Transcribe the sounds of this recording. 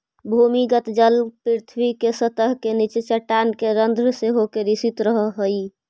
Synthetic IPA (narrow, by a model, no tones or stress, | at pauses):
bʱumiɡət̪d͡ʒəlpiɾt̪ʰwikesət̪əɦkenit͡ʃit͡ʃəʈːankeɾənd̪ʱɾseɦokeɾisit̪ɾəɦəɦəj